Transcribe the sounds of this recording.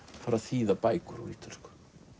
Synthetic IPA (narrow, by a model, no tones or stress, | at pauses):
faɾaðθiːðapaːjkʏɾuɾit̪ʰʏ̥r̥k